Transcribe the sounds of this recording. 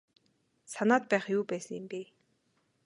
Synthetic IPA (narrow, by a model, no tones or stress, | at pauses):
sanaːt̪̚pæːχjuːpæːsə̆ŋɪmpi